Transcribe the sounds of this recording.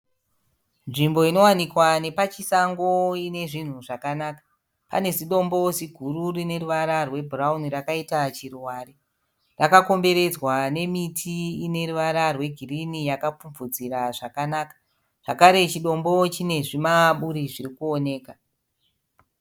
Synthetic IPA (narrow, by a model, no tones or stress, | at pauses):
nʐimbo̞ino̞wanikwane̞pat͡ʃisaŋɡo̞ine̞ʐin̤uʐakanaːkḁ | pa̰ne̞ziɗo̞mbo̞ziɡʱuɾurine̞ɾuʋaɾarwe̞bʱuraunirakaitat͡ʃiruwaːɾi | rakako̞mbe̞ɾe̞d͡zwane̞mitʰiine̞ruʋaɾarwe̞ɡʱirinijakap͡fumvud͡ziɾaʐakanakḁ | ʐ̥akaɾe̞t͡ʃiɗo̞mbo̞t͡ʃine̞ʐimaɓuɾiʐiɾikuone̞ːka